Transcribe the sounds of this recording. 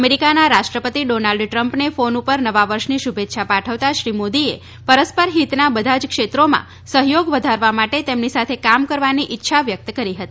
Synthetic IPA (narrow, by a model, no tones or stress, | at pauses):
meɾikanaɾaʃʈɾəpət̪iɖonalɖʈɾəmpnefonupəɾnəʋaʋəɾʃniʃubʱet̪ːʃʰapaʈʰəʋt̪aʃɾimod̪ie | pəɾəspəɾɦit̪nabəd̪ʱad͡ʒkʃet̪ɾomã̰ | səɦjoɡʋəd̪ʱaɾʋamaʈet̪emnisat̪ʰekamkəɾʋaniʔɪtːʃʰaʋjək̚t̪kəɾiɦət̪ii